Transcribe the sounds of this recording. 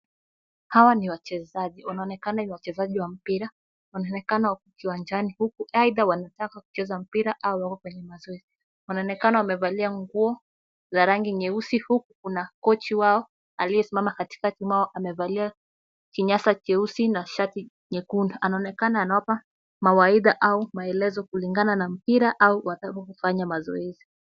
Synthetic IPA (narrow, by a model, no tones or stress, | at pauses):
hawaniwat͡ʃɛzaʄiwanaɔnɛkananiwat͡ʃɛzaʄiwam̩piɾa | wanaɔnɛkanaukukiwand͡ʒanihukuaiðawanatakaku̥t͡ʃɛzam̩piɾaʔaɔwakɔkwɛɲɛmazɔɛzi | wanaɔnɛkanawamɛvaliaŋɡuɔ | zaɾaŋɡiɲɛusihukukunakɔt͡ʃiwaɔ | alijɛsimamakati̥katimaɔʔamɛvalia | kiɲasakɛusinaʃati | ɲɛkundɔʔanaɔnɛkanaːnawapa | mawaiɗaʔaumaɛlɛzɔkuliŋɡananam̩piɾaʔauwatapakufaɲamazɔ̰ɛzi